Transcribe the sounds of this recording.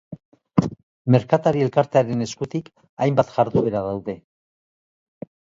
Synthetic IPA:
me̞ɾkat̪aɾie̞lkaɾt̪eaɾe̞ne̞skut̪ik | ajmbat̪ʝ̥aɾðuβe̞ɾaðawðe̞

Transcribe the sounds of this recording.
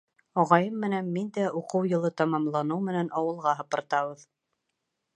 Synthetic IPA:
ɑʁɑjɤmːɘ̆nænmind̪æʔuqɤwjɤ̆lˠɤt̪ɑmɑmlˠɑnɤwmɘ̆nænʔɑwɤ̆lˠʁɑɦɤ̆pɤ̆ɾt̪ɑβɤð

